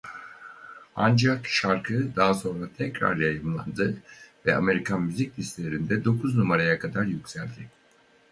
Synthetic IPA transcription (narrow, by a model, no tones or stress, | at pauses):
a̰nd͡ʒakʃaɾkʰɯd̪aɦaso̞nɾat̪ʰɛcɾa̰ɾjajɯmlˠa̰nd̪ɯvɛa̰me̞ɾikʰanmyziclʲiselʲeɾind̪ɛd̪o̞kʰuznumaɾajakʰad̪aɾjycʲsælʲd̪ɪ